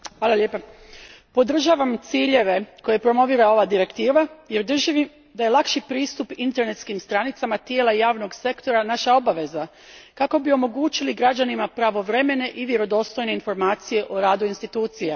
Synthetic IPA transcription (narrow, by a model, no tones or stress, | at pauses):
xʋaːlˠaljeːpa | po̞d̪r̩ʒaːʋamt̪siːʎe̞ʋe̞ko̞je̞pɾo̞mo̞ʋiːɾao̞ʋad̪iɾe̞kt̪iːʋajeɾd̪r̩ʒiʋi | d̪aje̞lˠakʃipɾiːst̪upint̪e̞ɾne̞t̪skimst̪ɾanit̪samat̪jeːlˠaijaːʋno̞ɡse̞kt̪o̞ɾanaʃao̞baʋe̞za | kako̞bio̞mo̞ɡuːt͡ʃiliɡɾad͡ʑanimapɾaʋo̞ʋɾe̞me̞ne̞ʔiʋje̞ɾo̞d̪o̞ːst̪o̞jne̞info̞ɾmaːt̪sije̞ʔoɾaːd̪uinst̪it̪uːt̪sija